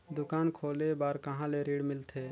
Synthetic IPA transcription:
d̪ʊkaːnkʰoːlebaːɾkəɦãleɾiːɽmɪlt̪ʰeː

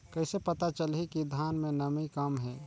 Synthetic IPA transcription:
kəɪsepət̪at͡ʃəlɦikid̪ʱanmẽnəmikəmɦɛ̃

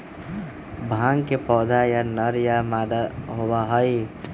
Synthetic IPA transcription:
bʱãŋɡkepɔd̪ʱajanəɾjamad̪aɦobaɦəj

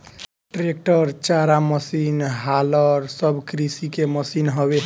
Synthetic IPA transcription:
ʈɾek̚ʈəɾt͡ʃaɾaməsinɦaləɾsəbʱkɾisikeməsinɦɔbe

